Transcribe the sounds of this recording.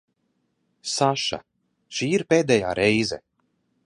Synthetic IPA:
saʃa̰ | ʃiːiɾpeːd̪ɛjaːɾʔɛjzɛ̰

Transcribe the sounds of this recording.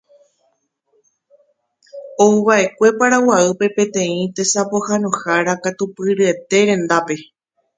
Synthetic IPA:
o̞uβaʔe̞kʷe̞paɾawaɨpe̞pẽ̞t̪ẽ̞ĩt̪e̞sapo̞hanõhaɾakat̪upɨɾɨe̞t̪e̞ɾẽ̞nd̪ape̞

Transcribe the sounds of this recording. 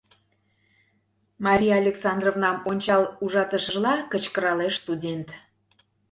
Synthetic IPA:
mɑɾʲijɑɑlʲeksɑnd̪rovnɑmonʲt͡ɕɑluʒɑt̪əʃəʒlɑkət͡ɕkəɾɑleʃst̪udʲent̪

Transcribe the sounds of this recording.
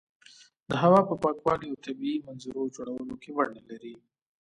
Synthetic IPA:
d̪əɦawɑpəpɑkwɑliawt̪abiimanzuɾod͡ʒoɽawəlokewaɳalaɾi

